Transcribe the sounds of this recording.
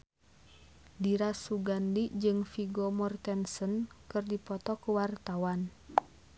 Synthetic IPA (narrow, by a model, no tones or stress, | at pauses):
diɾasuɡandid͡ʒɨŋfiɡɔmɔrt̪ɛnsənkɨrdipɔt̪ɔkuwart̪awan